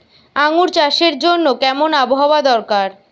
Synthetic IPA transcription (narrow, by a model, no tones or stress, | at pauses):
aŋuɾt͡ɕaʃeɾd͡ʑonːokɛmonaboɦawad̪ɔɾkaɾ